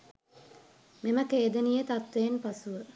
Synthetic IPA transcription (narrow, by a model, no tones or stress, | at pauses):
meməkeːd̪ənijet̪at̪ʋenpasuʋə